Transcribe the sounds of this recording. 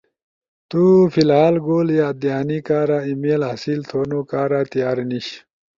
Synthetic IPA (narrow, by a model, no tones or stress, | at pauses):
t̪ufilɦaːlɡoːljad̪ijaːnikaːɾaːimeːlɦɐsilt̪ʰoːnokaːɾaːt̪ijaːɾniɕ